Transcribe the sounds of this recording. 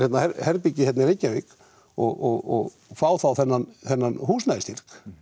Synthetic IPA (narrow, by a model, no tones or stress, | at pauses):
jɛt̪nahɛɾhɛɾpicɪçɛt̪nɪɾejcːavɪk | ɔɣɔɣɔ̰ɣ | faːwθawθɛnːanθɛnːanhuːsnajst̪ir̥k